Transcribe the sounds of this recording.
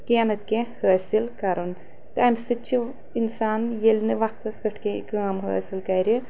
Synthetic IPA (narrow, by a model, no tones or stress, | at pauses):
keːnɐt̪ʲkehəːsʲilkɐɾon | t̪ɐmsɨt͡ʃʰi | insaːnjelʲnɨʋɐkt̪ɐskɨʈʰkẽkəːmɦə̰ːsʲilkɐːɾʲi